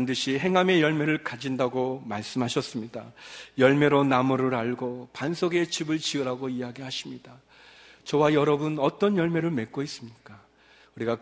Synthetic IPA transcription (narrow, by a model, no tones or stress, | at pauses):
ndɯɕʰiɦe̞ŋɦame̞jʌɭme̞ɾɯɭkad͡ʑindaɡomaɭs͈ɯmɦaɕʰʌs͈ɯmɲidajʌɭme̞ɾonamɯɾɯɾaɭɡopansʰoɡe̞t͡ɕibɯɭt͡ɕiɯɾɦaɡoijaɡihaɕʰimɲida | t͡ɕʌwajʌɾʌbɯnʌt͈ʌnjʌɭme̞ɾɯɭme̞k͈ois͈ɯmɲik͈a | uɾiɡa